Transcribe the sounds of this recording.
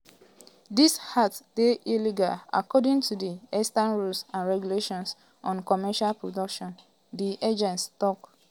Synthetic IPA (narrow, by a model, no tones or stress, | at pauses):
dishatd̥eʔiliɡa̰la̰kɔdĩŋtʰudiɛstãnɹulsãnɹɛɡjuleʃɔ̃ns | ɔ̃nkɔmɛʃalpɹodɔkʃɔ̃n | diʔed͡ʒɛ̃ntstɔk